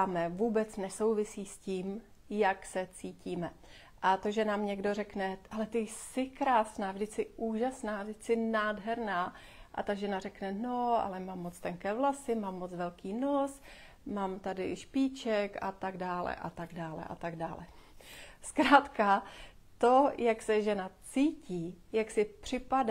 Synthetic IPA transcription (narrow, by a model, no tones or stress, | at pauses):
amɛvuːbɛt͡snɛso̞wvɪsiːsciːm | jaksɛt͡siːciːmɛ | ʔat̪oʒɛnaːmɲɛɡdo̞rɛknɛalɛt̪ɪjsɪkɾaːsnaːvdɪt͡skɪʔuːʒasnaːvdɪt͡skɪnaːdɦɛɾnaː | ʔa̰t̪aʒɛnarɛknɛno̞a̰lɛmaːmːot͡st̪ɛŋkɛːvlasɪmaːmːot͡svɛlkiːnos | maːmt̪adɪʃpiːt͡ʃɛkat̪aɡdaːlɛ̰ʔa̰t̪aɡdaːlɛ̰ʔa̰t̪aɡdaːlɛ | skɾaːt̪kat̪ojaksɛʒɛnat͡siːciːjaksɪpr̝̥ɪpad